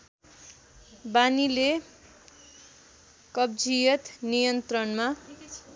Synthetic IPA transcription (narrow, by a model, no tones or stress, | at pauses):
banile | kʌbd͡zijʌt̪nijʌnt̪rʌnma